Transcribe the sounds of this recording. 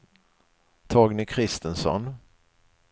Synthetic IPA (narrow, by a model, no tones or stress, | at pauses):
t̪ʰɑːɡnɪkʰɾɪst̪ənsɔ̰n